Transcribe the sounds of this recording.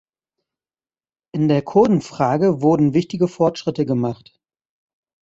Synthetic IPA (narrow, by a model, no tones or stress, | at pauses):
ʔɪndeːɐkʰoɐdn̩fʁ̥aːɡəvʊɐdn̩vɪçtɪɡəfɔɐtʃʁ̥ɪtəɡəmaχt